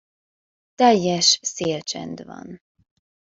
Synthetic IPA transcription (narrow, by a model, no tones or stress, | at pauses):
t̪ɛjːɛʃseːlt͡ʃɛ̰nd̪vɒ̰n